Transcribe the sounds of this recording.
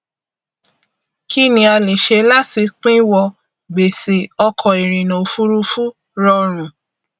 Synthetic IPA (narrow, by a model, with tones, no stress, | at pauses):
ki˦nĩ˧˦a˧le˨ʃe˧la˦ti˧˦k͡pĩ˦wɔ˧ | be˨se˨ɔ˧kʰɔ˨i˨ɾi˨nõ˨fu˦ɾu˦fu˦ | ɾɔ˧ɾ̃ũ˨